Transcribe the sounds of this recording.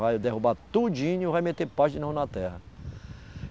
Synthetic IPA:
vajd̪ehubat̪ud͡ʒĩɲʊvajmet̪eɾpaʒinɐ̃nɐt̪ɛhɐ

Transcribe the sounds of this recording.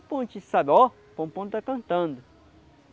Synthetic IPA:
põnt͡ʃisadɔ | põpõnt̪ɐkɐ̃nt̪ɐ̃nd̪ʊ

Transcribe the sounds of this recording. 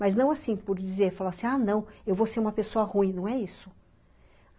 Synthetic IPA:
mɐznɐ̃w̃asĩpʊɾd͡ʒizeɾfalasĩanɐ̃w̃ewvoseɾũmɐpesoɐhũĩnɐ̃w̃ɛisʊ

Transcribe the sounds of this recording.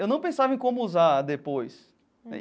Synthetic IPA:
ewnɐ̃w̃pẽsavɐẽj̃kõmʊuzad̪epojs

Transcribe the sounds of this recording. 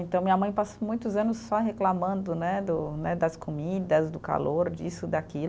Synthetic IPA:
ẽnt̪ɐ̃w̃mĩɐmɐ̃j̃pasmũj̃t̪ʊzɐ̃nʊsːɔɦeklamɐ̃nd̪ʊnɛd̪ʊnɛd̪ɐskomid̪ɐzd̪ʊka̰loɾd͡ʒisʊd̪akil

